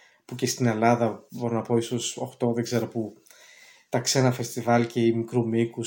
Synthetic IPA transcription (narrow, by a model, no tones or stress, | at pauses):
puce̞st̪ine̞lɐðɐbo̞ɾonɐpo̞iso̞so̞̰xt̪o̞ðeɡze̞ɾopu | t̪ɐkse̞nɐfe̞st̪ivɐlce̞imikɾumiku